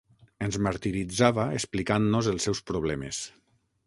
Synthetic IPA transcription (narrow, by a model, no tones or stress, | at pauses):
ənzmaɾt̪iɾid͡zaβaesplikanːozəlˠsɛwspɾoβ̞lɛmḛs